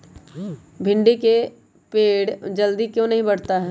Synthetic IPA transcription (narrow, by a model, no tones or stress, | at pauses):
bʱɪ̃ɳɖike | peːɽd͡ʒɐld̪ikjõnɐɦĩbɐɽ̤t̪aɦɛː